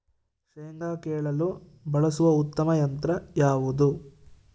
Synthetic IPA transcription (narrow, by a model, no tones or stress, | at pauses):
ʂeːŋɡaːkɛːɭɐlu | bɐɭɐsuʋɐut̪ːɐmɐjɐnt̪ɾɐjaːʋud̪u